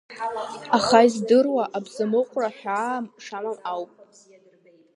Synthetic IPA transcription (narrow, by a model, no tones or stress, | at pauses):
aχaizdɨrwaʔabzamɨqʷʼraħᶣaːmʂamamawpʼ